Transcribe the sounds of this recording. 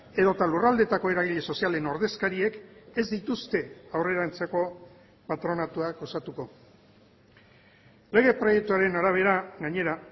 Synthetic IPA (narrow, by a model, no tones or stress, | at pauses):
e̞ðo̞t̪alurald̪e̞t̪ako̞e̞ɾaɣ̞iʎe̞so̞siale̞no̞ɾðe̞skaɾie̞ke̞zd̪it̪ust̪e̞awre̞ɾant͡seko̞ | pat̪ɾo̞nat̪uakosat̪uko̞ | le̞ɣ̞e̞pɾo̞je̞k̚t̪uaɾe̞naɾaβ̞e̞ɾaɣaɲe̞ɾa